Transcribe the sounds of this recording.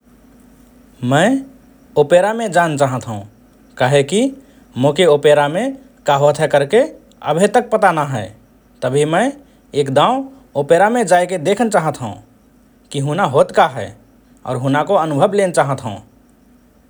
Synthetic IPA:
mə | opeɾamẽd͡ʒant͡ʃaɦət̪ɦũ | kaɦeki | mokeopeɾame | kaɦot̪ʰɦɛkəɾke | ə̰bʱet̪ək̚pət̪anaɦɛ | t̪əbʱimə̃ɪ | ekd̪ã | opeɾamed͡ʒajked̪ekʰənt͡ʃaɦət̪ɦə̰̃ | kiɦunaɦot̪kaɦɛ̰ɪ | ɔ̰ːɾɦunakoənubʱəblent͡ʃaɦət̪ɦə̰̃ũ

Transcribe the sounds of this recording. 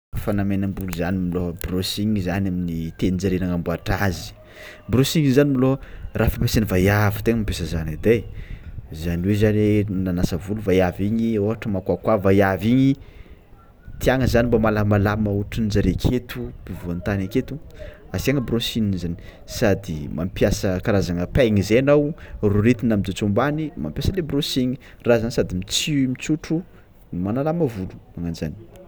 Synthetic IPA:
fanamenambuluzanimilobrosiŋizanaminit̪enind͡zaɾenaŋambuaʈ͡ʂazi̥ | brosiŋizanimilorafampesenivajavi̥t̪eŋəmipesəzanid̪ej | zaniwezanenanasəvuluvajaviɲioɦaʈ͡ʂəmakakwavajaviɲi | t̪iaŋəzanimbamalamalaməuʈ͡ʂinid͡ʒaɾekʰet̪upivuant̪anaket̪uasiaŋəbrosininzani̥ | sad̪ima̰mpjasəkaɾazaŋəpajŋizeanawruɾet̪inamid̪ut͡sumbanima̰mpjasəlebrosiɲi̥ | razanisad̪imit͡simit͡suʈ͡ʂu | nimanalaməvulu̥aŋanzani̥

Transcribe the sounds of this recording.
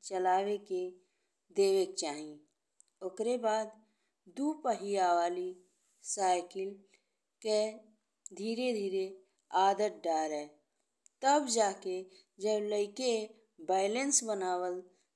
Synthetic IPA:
t͡ʃəlaːweke | d̪eːʋek̚t͡ʃaːɦĩ | okɾebaːd̪ | d̪upəɦiaʋaːli | saːɪkɪl | ke | d̪ʱiːɾed̪ʱiːɾe | aːd̪ət̪̚ɖaːɾɛː | t̪əbd͡ʒaːke | d͡ʒəbləɪke | baːɪlensbənaːwəl

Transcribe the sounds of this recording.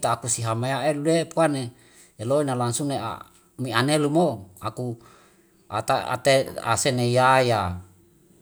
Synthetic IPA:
t̪aːkusiɦamajaeluepuaneː | loinalansunea̰ | mianelumoaku | a̰t̪aa̰t̪ea̰senejaja

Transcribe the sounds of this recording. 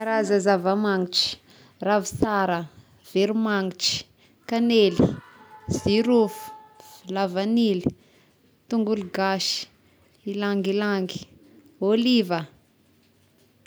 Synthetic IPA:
aɾazazavamaŋiʈ͡ʂi̥ | ravisaɾə | v̥eɾumaŋiʈ͡ʂi̥ | kaneli | z̥iɾufu̥vilavanili̥ | t̪uŋɡuluɡaʃi̥ | ilaŋɡilaŋɡi̥ | olivə

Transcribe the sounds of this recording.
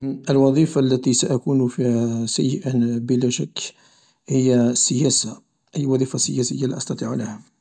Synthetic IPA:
ʔəlwɑðˤifalːæt̪isaʔækunfisæ̰jːəʔəbəlæʃakː | həjːasəjæsa | ʔæjːwɑðˤiːfasəjæsəjːaliʔɑst̪ɑt̪ˤiʕləhæ

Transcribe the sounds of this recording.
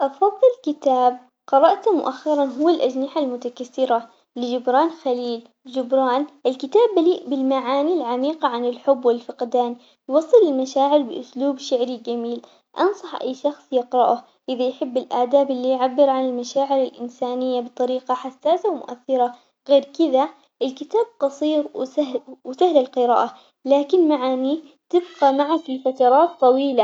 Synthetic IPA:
ʔɑfɑðˤːɨlkɪt̪aːb̚ | qɑɾˤɑʔt̪mʊ̰ʔaxːɪɾˤɑnɦʊwːalʔad͡ʒnɪħalmʊt̪akaθːɪɾa | lɪd͡ʒɪbɾɑːnxaliːl | d͡ʒɪbɾɑːnʔɪlkɪt̪aːbːaliːʔbɪlmaʕaːnilʕamiːqɑʕanɪlħʊbːwɪlfɪqd̪aːn | jwɑsˤːɨlɪlmaʃaːʕɪɾbɪʔʊsluːbʃɪʕɾid͡ʒamiːl | ʔɑnsˤɑħʔa̰jːʃɑxsˤjɪqɾɑʔʊh | ʔɪðajħɪbːɪlʔaʕd̪aːbɪlːijʕabːɪɾʕanɪlmaʃaːʕɪɾɪlʔɪnsaːnɪjːabɨt̪ˤɑɾiːqɑħasːaːsawmʊ̰ʔaθːɪɾa | ɣeːɾkɪða | ʔɪlkɪt̪aːb̚qɑsˤiːɾwawɪsahlɪlqɪɾa̰ːʔa | laːkɪnmaʕaːni | t̪ɪbqamaʕakifat̪ɑɾˤɑːt̪ˤːɑwiːla

